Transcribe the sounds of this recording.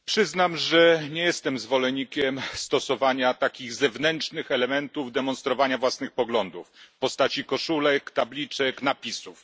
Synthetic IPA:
pʂɘznamʐɛɲejɛst̪ɛmzvɔlɛɲikʲɛmst̪ɔsɔvaɲat̪akʲiɣzɛvnɛnt͡ʂnɘxɛlɛmɛnt̪uvd̪ɛmɔnst̪ɾɔvaɲavwasnɘxpɔɡlɔnd̪ufpɔst̪at͡ɕikɔʂulɛkt̪ablʲit͡ʂɛknapʲisuf

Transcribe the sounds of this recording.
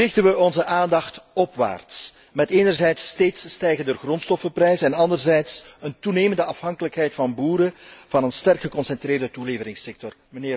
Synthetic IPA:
rɪxtənʋəɔnzəʔaːndɑxtɔpʋa̰ːrts | mɛteːnərzɛjtsteːtsːtɛjɣəndərɣrɔntstɔfəprɛjzəɛnɑndərzɛjtsəntuneːməndəɑfɦɑŋkələkɦɛjtfɑnbuːɾəv̥ɑnənstɛrkxəkɔnsɛntreːrdətuleːvəɾɪŋsɛk̚tɔrməneː

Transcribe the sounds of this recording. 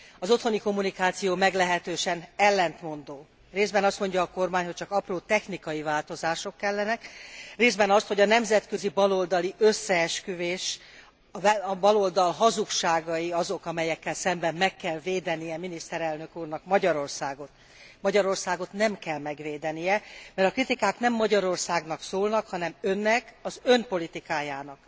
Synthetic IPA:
ɒzo̞t̪ho̞niko̞mːunikaːt̪sijoːmɛɡlɛɦɛt̪øːʃɛnɛlːɛnt̪mo̞nd̪oː | reːzdbɛnɒst̪mo̞ɲɟɒːko̞rmaːɲho̞c̚t͡ʃɒkɒproːt̪ɛxnikɒjivaːlt̪o̞zaːʃo̞kːɛlːɛnɛkreːzbɛnɒst̪ho̞ɟɒnɛmzɛt̪køzibɒlo̞ld̪ɒliʔøsːɛɛʃkyveːʃ | ɛbɒlo̞ld̪ɒlɦɒzukʃaːɡɒjiɒzo̞kɒmɛjɛkːɛlsɛmbɛmːɛkːɛlveːd̪ɛnijɛminist̪ɛɾɛlnøkuːrnɒkmɒɟɒɾo̞rsaːɡo̞t̪ | mɒɟɒɾo̞rsaːɡo̞t̪nɛmkɛlmɛɡveːd̪ɛnijɛmɛɾɒkrit̪ikaːknɛmːɒɟɒɾo̞rsaːɡn̪ɒksoːlnɒkhɒnɛmø̞nːɛkɒzømpo̞lit̪ikaːjaːnɒk

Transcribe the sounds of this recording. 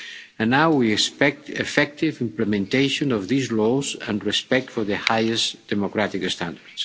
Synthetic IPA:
ə̃nːawwiɛkspɛk̚t̪efɛk̚t̪ivĩmplemẽnt̪ejʃõnɔvðizlɔzə̰̃nrɛspɛk̚t̪fɔɾðəhajesd̪̥emokɾat̪ikst̪ãnd̪əɾds

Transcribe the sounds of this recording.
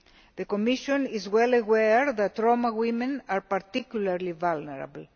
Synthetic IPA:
ðekomiʃõnizwɛlawɛɹðat̪ɾomawimẽnaɾpaɾt̪ikjulaɾlivalneɾa̰bl̩

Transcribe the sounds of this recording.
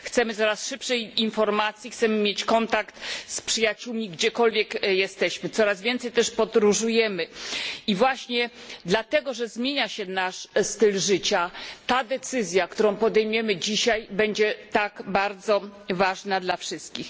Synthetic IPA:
xt̪sɛmɘt̪sɔɾasʂɘpʂɛjinfɔɾmat̪sʲjixt̪sɛmɘmʲjet͡ɕkɔnt̪akt̪spʂɘjat͡ɕuwmʲiɡd͡ʑɛkɔlvʲjɛkjɛst̪ɛɕmɘt̪sɔɾazvʲjɛnt̪sɛjt̪ɛʂpɔd̪ɾuʐujɛmɘivwaɕɲɛd̪lat̪ɛɡɔʐɛzmʲjeɲaɕɛnaʂst̪ɘlʐɘt͡ɕat̪ad̪ɛt̪sɘzʲjakt̪uɾɔ̃w̃pɔd̪ɛjmujɛmɘd͡ʑiɕajbɛɲd͡ʑɛt̪aɡbaɾd̪zɔvaʐnad̪lafʂɘst̪̚kʲix

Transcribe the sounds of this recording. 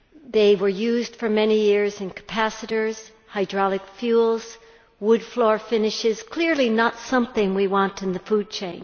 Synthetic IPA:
ðeɪwə˞jʉzd̥fə˞mɛnijɪɹzɨ̃nkʰə̥pʰæsɨɾə˞z̥ | haɪdɹɑlˠɨkfjulˠz̥ | wʊdflɔɹfɪ̃nɨʃɪz̥kʰl̥ɪɹlinətsʌ̃mθɪ̃ŋwiwɑ̃ntɨ̃nðɨfud̚t͡ʃʰẽɪ̃n

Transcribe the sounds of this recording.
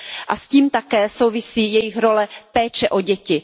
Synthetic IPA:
ʔasciːmt̪akɛːsowvɪsiːjɛjɪxɾolɛpɛːt͡ʃɛʔoɟɛcɪ

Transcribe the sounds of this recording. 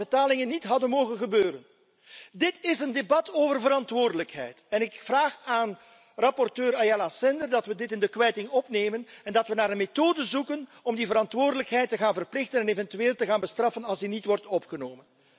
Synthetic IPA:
ətaːlɪŋənːitɦɑdənmoːɣənɣəbøːɾən | dɪtɪsəndebɑtoːvərvəɾɑntʋoːrdələkɦɛ̰jtɛnɪkvraːxaːn | rɑpɔrtøːɾajalasɛndərdɑtʋədɪtɪndəkʋɛjtɪŋɔpneːmənɛndɑtʋənaːɾənmetoːdəzukənɔmdivəɾɑntʋʊːrdələkɦɛjtːəɣaːnvərplɪxtənɛnevɛntyeːlˠtəɣaːnbəstrɑfənɑlˠsdinitʋɔrtɔpχənoːmən

